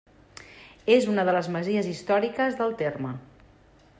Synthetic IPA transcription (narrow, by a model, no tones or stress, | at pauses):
ezunəð̞ələzməziəzist̪ɔɾikəzðəlˠt̪ermə